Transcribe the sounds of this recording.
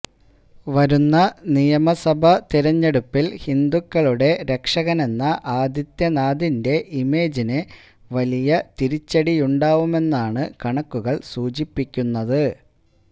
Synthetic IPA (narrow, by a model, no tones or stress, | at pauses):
ʋɐɾunːɐnijɐmɐsɐbʱɐt̪iɾɐɲːe̞ɽupːilhind̪ukːɐɭuɽe̞ɾe̞kʂɐɣɐne̞nːɐʔaːd̪jɐt̪jɐnaːd̪inde̞ʔime̞ːd͡ʑinɨ | ʋɐlijɐt̪iɾit͡ɕːɐɽijuɳɖaːʋume̞nːaːɳɨkɐɳɐkːuɣɐɭsuːd͡ʑipːikʲːunːɐðɨ